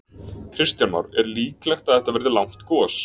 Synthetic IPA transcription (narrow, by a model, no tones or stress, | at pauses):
kʰɾɪst̪janma̰wɾɛɾliːklɛxt̪aðɛht̪avɛɾðɪlawm̥t̪kɔːs